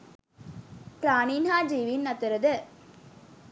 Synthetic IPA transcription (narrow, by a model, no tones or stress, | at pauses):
pɾaːniːnɦaːd͡ʒiːʋinːɐt̪ːɐɾɐd̪ɯ